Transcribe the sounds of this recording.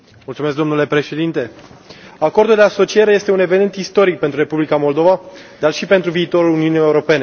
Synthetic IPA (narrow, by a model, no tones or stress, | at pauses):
mult̪sumeskd̪omnule̞pɾe̞ʃe̞d̪int̪e̞ | ako̞rd̪uld̪e̞aso̞t͡ʃie̞ɾe̞je̞st̪e̞une̞venent̪ist̪o̞ɾik̚pe̞nt̪ɾuɾe̞publikamo̞ld̪o̞vad̪arʃipe̞nt̪ɾuviːt̪o̞ɾuluniunije̞uɾo̞pe̞ne